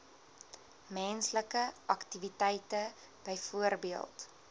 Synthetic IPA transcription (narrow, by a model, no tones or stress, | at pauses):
mɛnsləkəʔɐktivitɛjtə | b̥əjfuərbiəlˠt